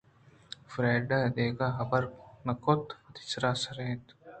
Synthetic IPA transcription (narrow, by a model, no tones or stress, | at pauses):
fɾaːɖad̪eːɡaɦɐbɐɾnɐkot̪ɐt̪ɪ̥sɾaːsɐɾet̪